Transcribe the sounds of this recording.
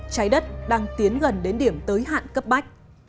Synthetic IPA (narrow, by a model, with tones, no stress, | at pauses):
t͡ɕaː˨˦jɗə˦˥t̚ɗaː˧ŋt̪i˨˦ənɣə˨˩nɗe˨˦nɗi˧˩əmt̪əː˨˦jɦa̰ː˧˨nkə˦˥p̚ma˦˥jk̟̚